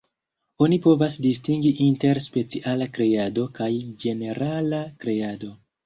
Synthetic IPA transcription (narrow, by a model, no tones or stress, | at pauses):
o̞nipo̞vasdistiŋɡiʔinte̞ɾspe̞t͡siʔalakɾe̞ado̞kajd͡ʒe̞ne̞ɾalakɾe̞ado̞